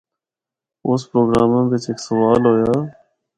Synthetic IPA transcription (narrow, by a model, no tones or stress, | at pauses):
ʊspɾoːɡɾaːmãːʋɪt͡ʃeksəʋaːlɦoːjaː